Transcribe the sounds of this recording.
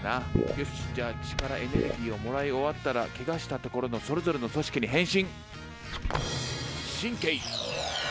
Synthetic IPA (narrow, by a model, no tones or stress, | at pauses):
najoɕd͡ʑaːt͡ɕi̥kaɾaʔe̞ne̞̰ɾɯ̟ɡʲiːo̞mo̞ɾaio̞βat̪ːaɾa̰keɡaɕi̥t̪at̪o̞ko̞ɾo̞no̞so̞ɾe̞zo̞ɾe̞no̞so̞ɕi̥kʲiɲ̟iɦẽ̞ɰ̃ɕĩŋ | ɕĩŋke̞i